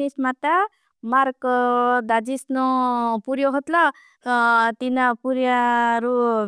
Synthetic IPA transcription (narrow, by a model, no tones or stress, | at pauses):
ismat̪a | maɾkd̪ad͡zisnɔpuɾjɔɦot̪lʌ | t̪inapuɾjaɾu